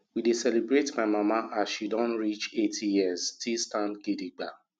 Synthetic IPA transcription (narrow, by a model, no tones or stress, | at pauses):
widesɛlibɹetmaɪmamaasʃidɔ̃nɹit͡ʃetʰijiɛztʰistãndɡediɡ͡ba